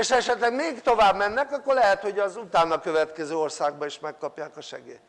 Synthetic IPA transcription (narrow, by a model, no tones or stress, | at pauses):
eʃhɔɛʃɛt̪lɛɡmeːkt̪o̞vaːbmɛnːɛkɒkːo̞rlɛɦɛt̪ho̞ɟɒzut̪aːnɒkø̞vɛt̪kɛzøːo̞rsaːɡ̚bɒiʃmɛkːɒpjaːkɒʃɛ̰ɡḛːt̪